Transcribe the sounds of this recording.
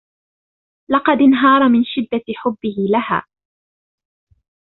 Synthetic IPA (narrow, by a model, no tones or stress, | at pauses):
lɑqɑd̪ɪnɦɑːɾˤɑmɪnʃɪd̪ːaħʊbːɪhɪlaha̰ː